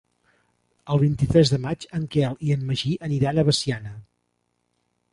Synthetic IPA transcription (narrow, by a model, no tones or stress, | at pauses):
əlˠβ̞int̪it̪ɾɛzðəmad͡ʒəŋkɛlˠiənməʒiʔəniɾanəβəsianə